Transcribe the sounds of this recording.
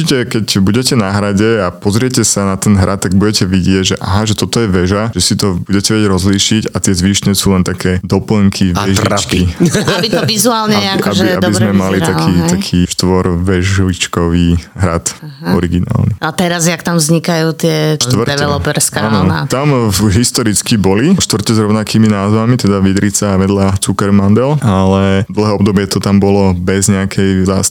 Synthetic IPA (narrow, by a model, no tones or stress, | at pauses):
t͡ʃicɛkɛcbuɟɛcɛnaɦɾaɟɛapɔzɾɪɛcɛsanat̪ɛnɦɾʔat̪ːaɡ̚buɟɛcɛʋiɟɪɛɟʒɛʔa̰ɦaʒɛt̪ɔt̪ɔjɛʋɛʒaʒ̥ɛsit̪ɔbuɟɛcɛʋɛɟɛɟɾɔzliːʃiɟat̪ɪɛzʋiːʃnɛsuːlɛnt̪akʰɛːd̪ɔpl̩ŋkʰiʋɛʒit͡ʃkiabit̪ɔʋizuaːlɲɛakaɛiad̪bizmɛmalit̪akiːt̪akʰiːʃt̪ʋɔɾʋɛʒʋit͡ʃkɔʋiːɦɾa̰t̪ɔɾiɡina̰ːlniat̪ɛɾazjakt̪amvzɲikajuːt̪ɪɛʃt̪ʋr̩d̪ɛʋɛlɔpɛɾskaana̰t̪amɦist̪ɔɾit͡skibɔliʃt̪ʋrcɛzɾɔʊnakiːminaːzʋamit̪ɛd̪aʋid̪ɾit͡saʋɛd̪lat͡sukɛɾmand̪ɛlalɛd̪l̩ɦɛːɔbd̪ɔbɪɛt̪ɔt̪ambɔlɔbɛzɲɛakʰɛjza̰s